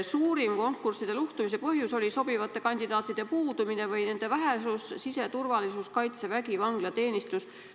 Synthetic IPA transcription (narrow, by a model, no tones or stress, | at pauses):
suːɾimko̞ŋkːˑursid̪̥e̞luht̪umis̬e̞pɤɦjuso̞lʲiso̞bivɑt̪ːˑe̞kɑnʲd̪id̪̥ɑːt̪ːˑid̪̥e̞puːd̪umine̞vɤjne̞nd̪̥e̞væɦesussise̞t̪urvɑlisuskɑjt̪sevæɡivɑŋɡ̥lɑt̪e̞ːnist̪us